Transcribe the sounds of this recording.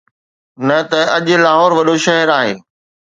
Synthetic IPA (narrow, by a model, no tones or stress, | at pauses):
nɐt̪ɐɐʄ̆laːɦɔːɾʋɐɗoʃɐɦəɾaːɦeː